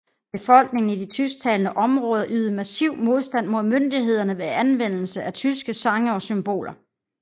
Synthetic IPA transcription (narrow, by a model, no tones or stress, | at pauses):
b̥e̝fɒ̽l̰ɡ̥̚ne̝ŋn̩id̥it͡sʰysɡ̥̚t͡sʰɛːlənəʔɒ̽mʁɔ̽ːð̞ˠɐʔyːðˠəmæsiʊ̰mo̝ð̞ˠsd̥æn̰mo̝ð̞ˠmønd̥iɦe̝ð̞̰ˠɐnəʋe̝ænʋen̰l̩səʔæt͡sʰysɡ̥əsɑ̈ŋəɒ̽symb̥o̝̰ːlɐ